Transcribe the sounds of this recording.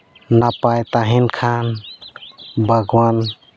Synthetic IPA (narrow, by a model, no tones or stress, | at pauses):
napajt̪aɦɛnkʰan | bʱəɡwan